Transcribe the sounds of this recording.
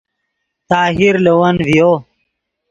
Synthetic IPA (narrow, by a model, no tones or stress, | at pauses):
t̪aːɦiɾlewɐnvijo